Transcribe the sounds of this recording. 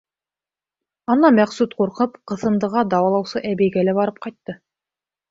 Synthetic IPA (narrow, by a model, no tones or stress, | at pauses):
ɑnɑmæqsut̪quɾqɤpqɤ̆θɤ̆nd̪ɤ̆ʁɑd̪ɑwɑlˠɑwsɤʔæbæjɡælæbɑɾɤp̚qɑjt̪ːɤ